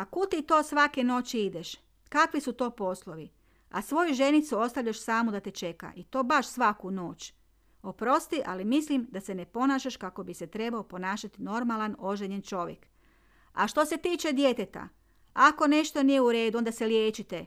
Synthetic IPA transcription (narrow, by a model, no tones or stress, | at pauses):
akut̪it̪o̞ːsʋake̞no̞ːt͡ɕiid̪eʃ | kakʋisut̪o̞ːpo̞slˠo̞ʋi | a̰sʋo̞juʒe̞nit̪suo̞st̪aʋʎaʃsaːmud̪at̪et͡ʃe̞ka̰ʔit̪o̞ːbaʃsʋakuno̞ːt͡ɕ | opɾo̞st̪iʔalimislimd̪ase̞ne̞po̞naːʃaʃkako̞bise̞t̪ɾe̞baopo̞naːʃat̪ino̞ɾmalˠano̞ʒeɲent͡ʃo̞ʋjḛk | a̰ʃt̪o̞se̞t̪iːt͡ʃe̞d̪je̞t̪et̪a̰ | ako̞ne̞ʃt̪o̞nijeuɾe̞ːd̪uond̪aseljeːt͡ʃit̪e